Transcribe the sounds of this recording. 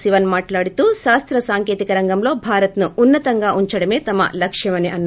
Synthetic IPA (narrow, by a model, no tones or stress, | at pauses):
siʋɐnmaːʈlaːɽit̪uːʃaːst̪ɾɐsaːŋkeːt̪ikɐɾɐŋɡɐmlo̞ːbʱaːɾɐt̪nuunːɐt̪ɐŋɡaːʔuɲt͡ʃɐɽɐme̞ːt̪ɐmːɐ̰lɐkʂjɐmɐneʔɐnː